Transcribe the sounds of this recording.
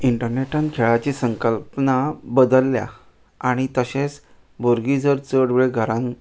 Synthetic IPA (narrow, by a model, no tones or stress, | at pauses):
iɳʈəɾneʈãnkʰeɭat͡ɕisəŋkəlpnabəd̪əlːja̰ | aɽ̃it̪əɕẽs | bʱoɾɡid͡zəɾt͡səɽʋɭeɡʱəɾãn